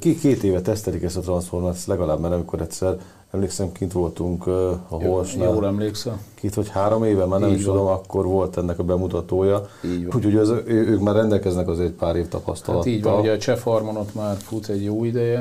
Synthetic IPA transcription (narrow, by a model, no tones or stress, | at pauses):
kikeːt̪eːvɛt̪ɛst̪ɛlikɛst̪ɒt̪rɒnsformaslɛɡɒlaːbmaːɾɒmiko̞ɾɛt̪ʲsɛr | ɛmleːksɛmkint̪ʋo̞lt̪uŋkɒɦolʃnajoːlɛmleːksɛmkeːt̪hochaːɾo̞meːvɛmaːrnɛmiʃt̪ud̪o̞mɒkːo̞rʋo̞lt̪ɛnːɛkɒbɛmut̪ɒt̪oːjɒiuːcho̞ɟøzøøːkmaːrːɛnd̪ɛlkɛznɛkɒzeːɾɛcpaːɾeːft̪ɒpɒ̰st̪ɒ̰lɒt̪iːɟʋːɔɒluɟɛt͡ʃɛfhɒrmonot̪maːrfut̪ɛɟjoːid̪ɛjɛ